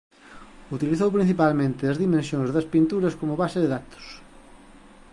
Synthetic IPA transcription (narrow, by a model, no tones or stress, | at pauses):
ut̪iliθowpɾin̟θipalmẽnt̪ɪɐzðimẽnsjõŋzðɐspint̪uɾɐskomʊβaseðeðat̪ʊ̥s